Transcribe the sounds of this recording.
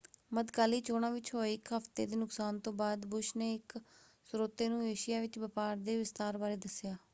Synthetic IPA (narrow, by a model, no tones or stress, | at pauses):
məd̪kaːliːt͡ʃoːɽ̃ãːʋɪt͡ʃɦoːeɪkɦəft̪ḛːd̪eːnʊksaːnt̪õːbaːd̪bʊʃneːɪk | sʊɾoːt̪eːnũːjeːʃɪjaːʋɪt͡ʃbəpaːɾd̪eːʋɪst̪aːɾbaːɾeːd̪əsɪjaː